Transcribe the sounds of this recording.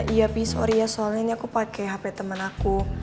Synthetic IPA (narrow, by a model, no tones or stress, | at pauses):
ʔijapisɔ̰ɾijasɔalɲaɲakupakɛɦapɛt̪əmənaku